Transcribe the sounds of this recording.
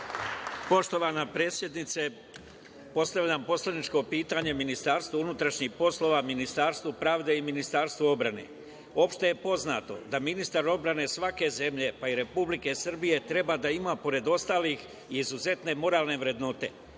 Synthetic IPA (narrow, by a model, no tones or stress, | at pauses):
po̞ʃt̪o̞ʋanapɾe̞sʲje̞d̪nit̪se | po̞st̪aʋʎampo̞slad̪nit͡ʃko̞piːt̪aɲe̞minist̪aːɾst̪uunut̪ɾaʃɲixpo̞sloʋaminist̪aːɾst̪ʋupɾaːʋd̪e̞iminist̪aːɾst̪ʋuo̞bɾane̞̰ | o̞ːpʃt̪eje̞po̞zna̰ːt̪o̞̰d̪aminist̪aɾo̞bɾane̞sʋake̞ze̞mʎe̞paiɾe̞publike̞sr̩bije̞t̪ɾe̞bad̪aimapo̞ɾe̞d̪o̞st̪aːlix | iːzuze̞t̪ne̞mo̞ɾaːlˠne̞ʋɾe̞d̪no̞t̪e̞̰